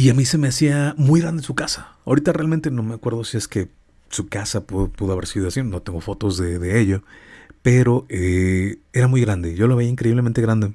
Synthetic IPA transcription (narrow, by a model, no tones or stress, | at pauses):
iamise̞me̞asiamujɣɾand̪esukasḁawɾit̪arealment̪eno̞me̞akwe̞ɾðo̞sie̞ske̞ | sukasapupuðoaβe̞ɾsiðoasino̞t̪eŋɡo̞fo̞t̪o̞zðeðe̞eʝope̞ɾo̞ee̞ɾamujɣɾand̪e̞ʝo̞loβ̞iaiŋkɾe̞iβlement̪eɾand̪e